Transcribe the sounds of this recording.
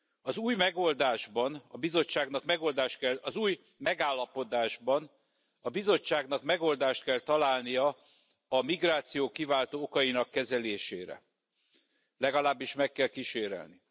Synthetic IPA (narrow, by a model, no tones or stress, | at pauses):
ɒzuːjmɛɡo̞ld̪aːʒbɒnɒbizo̞t͡ʃːaːɡnɒkmɛɡo̞ld̪aːʃt̪kɛlɒzuːj | mɛɡaːlːɒpo̞d̪aːʒbɒn | ɒbizo̞t͡ʃːaːɡnɒkmɛɡo̞ld̪aːʃt̪̚kɛlt̪ɒlaːlnijɒ | ɒmiɡraːt̪sijoːkivaːlt̪oːokɒjinɒkːɛzɛleːʃeːɾɛ̰ | lɛɡɒlaːbːiʃmɛkːɛlkiʃeːɾɛ̰lni